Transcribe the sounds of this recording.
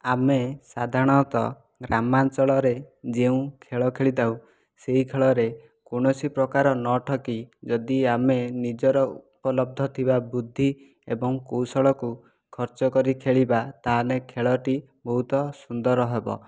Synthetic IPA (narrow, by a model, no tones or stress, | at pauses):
amesad̪ʱaɽ̃ɔt̪ɔ̰ | ɡɾamant͡ʃɔɭɔɾed͡ʒeũkʰeɭɔkʰeɭid̪aw | seɦikʰeɭɔɾe | koɽ̃ɔsipɾɔkaɾɔnɔʈʰɔkid͡ʒɔd̪iamenid͡ʒɔɾɔupɔlɔb̚d̪ʱɔt̪ʰibabud̪ʱːi | ebɔŋkowsɔɭɔku | kʰɔɾt͡ʃɔkɔɾikʰeɭibat̪aɦalekʰeɭɔʈi | bɔɦut̪ɔsund̪ɔɾɔɦebɔ̰